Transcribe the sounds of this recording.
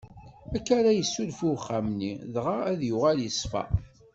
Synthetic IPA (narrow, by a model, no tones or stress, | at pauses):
ækːaɾæjəsːulfuχːamniðʁaæðjʊʁæljəsfæ̰